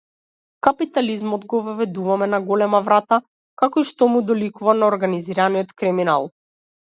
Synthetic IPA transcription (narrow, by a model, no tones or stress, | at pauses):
kapit̪alizmɔd̪ɡɔvvɛd̪uvamɛnaɡɔlɛmavɾat̪a | kakɔiʃt̪ɔmud̪ɔlikuvanaɔɾɡaniziɾanijɔt̪kɾimina̰lˠ